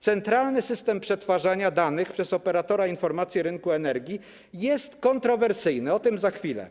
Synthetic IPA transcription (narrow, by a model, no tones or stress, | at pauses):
t̪sɛnt̪ɾalnɘsɘst̪ɛmpʂɛt̪faʐaɲad̪anɘxpʂɛsɔpɛɾat̪ɔɾainfɔɾmat̪sʲjɛɾɘŋkuɛnɛɾɡʲi | jɛst̪kɔnt̪ɾɔvɛɾsɘjnɘɔt̪ɘmzaxfʲilɛ̰